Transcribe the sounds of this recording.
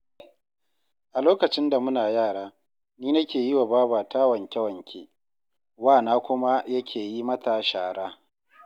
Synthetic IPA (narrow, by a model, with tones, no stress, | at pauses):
ʔa˨loː˦kɐ˨t͡ʃɪ˦nda˨mʊ˦naː˨jaː˦˨ɽaː˦ | niː˦nɐ˦kʲeː˨ji˦wa˨baː˦baː˨taː˦wɐ˨ŋkʲɛ˦wɐ˨ŋkʲʰḛː˨ | waː˦˨naː˦kʷʊ˦ma˦jɐ˦kʲʰeː˨ji˦mɐ˦ta˨ʃaː˨ɽaː˦